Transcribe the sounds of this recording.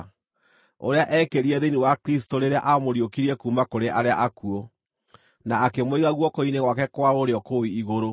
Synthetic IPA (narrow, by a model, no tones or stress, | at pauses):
o̰ɾeaʔɛkeɾiɛðeniwakɾistoɾeɾea̰ʔamoɾiokiɾiɛkuːmakoɾeʔaɾeaʔakuo | naːkemwiɣaɣwɔkoineɣwakɛkwaoɾeɔkoiiɣoɾo